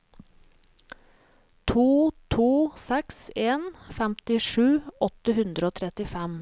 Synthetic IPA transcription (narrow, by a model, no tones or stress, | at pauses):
t̪ʰuːt̪ʰuːsɛkseːnfæmt̪ɪʂʉːɔt̪əhʉnd̪ɾəoːt̪ʰɾɛt̪ɪfɛm